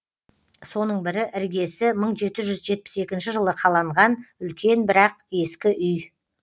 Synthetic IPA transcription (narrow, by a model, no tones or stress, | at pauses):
so̞nəɴbɪɾɪʔɪɾɡʲe̞sɪməɴʒe̞t̪ɪʒʏzʒe̞t̪̚pɪ̥se̞kʲɪnʃɪʒəlˠəqʰɑlˠɑɴʁɑnʏlkʲʰe̞nbɪɾɑq̚e̞skʲɪʔʏj